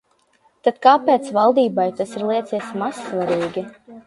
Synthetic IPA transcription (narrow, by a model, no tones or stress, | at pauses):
t̪at̪kaːpɛːt̪svalˠd̪iːbajt̪asiɾlˠiɛt̪sʲiɛsmasːvaɾiːɡʲi